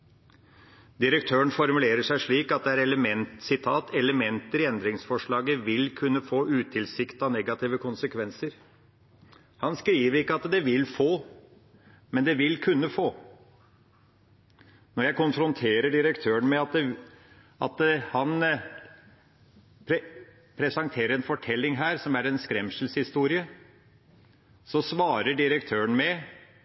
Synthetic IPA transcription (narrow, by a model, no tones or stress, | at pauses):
d̪ɪɾək̚t̪ʰøːəɳfɔɾmʉleːɾəʂæɪʂɭiːkɑt̪̚d̪ɛæɾɛləmɛnt̪sɪt̪ʰɑːt̪ʰɛləmɛnt̪əɾɪɛnd̪ɾɪŋsfɔʂɭɑːɡəʋɪlkʰʉnːəfoːʔʉːt̪ʰɪlsɪkt̪ɑnɛɡɑt̪iːʋəkʰʊnsəkʰʋɛnsəɾ | hɑnskɾiːʋəɾɪkːəɑt̪d̪ɛʋɪlfoː | mɛnd̪ɛʋɪlkʰʉnːəfoː | nɔɾjæɪkʊnfɾʊnt̪ʰeːɾəɖɪɾəkt̪ʰøːənmɛɑt̪̚d̪ɛ | ɑt̪hɑn | pʰ | pʰɾɛsɑŋt̪ʰeːɾəɾɛnfɔʈʰɛlːɪŋɦæːɾsɔmæɾɛnskɾɛmʂəl̩shɪst̪uːɾɪə | sɔsʋɑːɾəɖɪɾəkt̪ʰøːəɳmɛ